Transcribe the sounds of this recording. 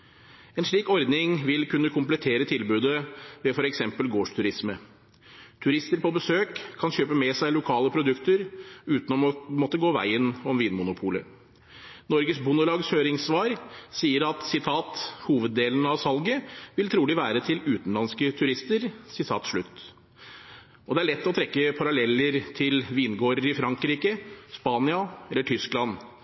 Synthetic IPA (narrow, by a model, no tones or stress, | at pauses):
ɛːnʂɭiːkɔɾd̪nɪŋʋɪlkʉnːəkʰʊmplɛt̪ʰeːɾət̪ʰɪlbʉːd̪əʋɛfɔɾɛksɛmpəlɡoːʂt̪ʰʉɾɪsmə | t̪ʰʉɾɪst̪əɾpɔbəsøːkʰːɑnçøːpəmɛsæɪlʊkʰɑːləpʰɾʊd̪ʉkt̪əɾʉːt̪nɔmɔt̪ːəɡoːʋæ̰ɪənɔmʋiːnmʊnʊpʰuːlə̰ | nɔɾɡəsbʊnəlɑːɡshøːɾɪŋsʋɑːɾsiːəɾɑt̪sɪt̪ʰɑːt̪huːʋəd̪ːeːlnɑʋsɑlɡəʋɪlt̪ʰɾuːlɪʋæːɾət̪ʰɪlʉːt̪n̩lɑnskət̪ʰʉɾɪst̪əɾsɪt̪ʰɑ̰ːt̪ʂɭʉt̪ː | ʔɔd̪ɛæɭɛt̪ːɔt̪ʰɾɛkːəpʰɑɾɑlɛlːəɾt̪ʰɪlʋiːnɡoːɾəɾɪfɾɑŋkɾiːkəspɑːnɪɑɛlːəʈʰʏsklɑn